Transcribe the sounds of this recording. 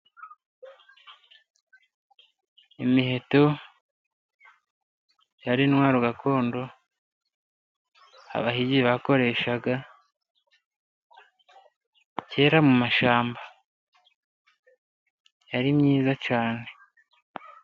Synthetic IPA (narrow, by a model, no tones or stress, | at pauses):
imiɦe̞to | jaɾinwaːɾuɡako̞ːndo̞ | a̰βahiɟiβako̞ɾe̞ːʃaɡa | ce̞ːɾamumaʃaːmba | jaɾimɲiːzacaːne̞